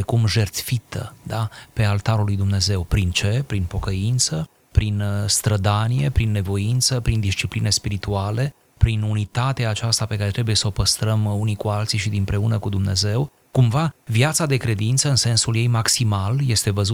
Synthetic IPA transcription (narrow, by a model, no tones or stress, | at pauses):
ekumʒe̞rt̪fit̪ə̰d̪ape̞alt̪aɾulujd̪umne̞ze̞wpɾint͡ʃe̞pɾinpo̞kəint̪sə | pɾinst̪ɾəd̪anije̞pɾinːe̞vo̞int̪səpɾind̪ist͡ʃipline̞spiɾit̪uale̞ | pɾinunit̪at̪eaːt͡ʃast̪ape̞kaɾet̪ɾe̞buje̞səo̞pəst̪ɾəmunikualt̪siʃid̪impɾe̞unəkud̪umne̞ze̞w | kumvavjat̪sad̪e̞kɾe̞d̪int̪səɨnse̞nsulje̞jmaksimalje̞st̪e̞vəzu